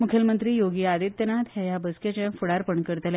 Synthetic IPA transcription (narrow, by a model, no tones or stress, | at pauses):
mukʰjəlmənt̪ɾiːjoɡiːad̪it̪ːjənat̪hɛjabəsket͡ɕẽfuɽaɾpəɳkəɾt̪lɛ